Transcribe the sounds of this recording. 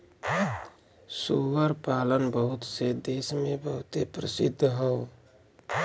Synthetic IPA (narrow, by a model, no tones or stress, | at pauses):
suwəɾpaːlənbəɦʊt̪sed̪eːsmẽbəɦʊt̪epɾəsɪd̪ʱːɦoː